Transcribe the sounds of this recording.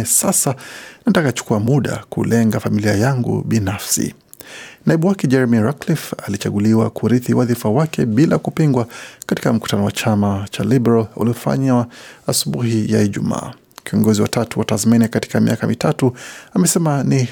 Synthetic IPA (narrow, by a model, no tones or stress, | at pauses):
sasanatakat͡ʃu̥kuamuɗa̰kṵlɛŋɡafamiliajaŋɡṵɓinafsḭ | naiɓuwakɛd͡ʒɛɾmiɾaklifalit͡ʃaɠuliwakuɾiθiwaðifawakɛɓilakupiŋɡwakati̥kam̩ku̥tanɔwat͡ʃamat͡ʃa̰libɛɾalṵliɔfa̰ɲaasuɓuhijaiʄuma̰ː | kiɔŋɡɔziwa̰tatuwatazminikati̥kamḭakamitatuamɛsɛmani